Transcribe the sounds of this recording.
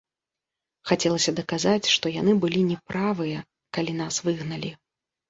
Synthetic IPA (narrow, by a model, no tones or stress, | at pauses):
xat͡sʲɛlˠɐsʲɐd̪ɐkazat͡sʲʂt̪ɔjan̪ɨbɨlʲinʲɛpɾavɨjɐ | kalʲin̪asvɨɣnɐlʲi